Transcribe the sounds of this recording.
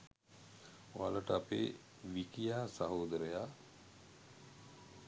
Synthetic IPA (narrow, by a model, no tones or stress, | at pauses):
oaləʈəapḛː | ʋikijaːsaɦoːd̪əɾəjaː